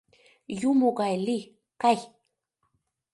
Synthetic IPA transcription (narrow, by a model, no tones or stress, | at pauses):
jʊmʊɢajli | kaj